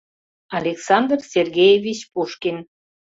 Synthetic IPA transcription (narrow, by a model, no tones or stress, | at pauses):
ɑlʲeksɑnd̪rsʲerɣʲejevʲit͡ɕpuʃkin